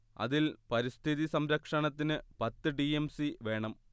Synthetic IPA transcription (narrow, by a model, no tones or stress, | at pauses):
ɐ̰ðilpɐɾist̪ʰiðisɐmɾɐkʂɐɳɐt̪ːinɨpɐt̪ːɨɖiemsiʋe̞ːɳɐm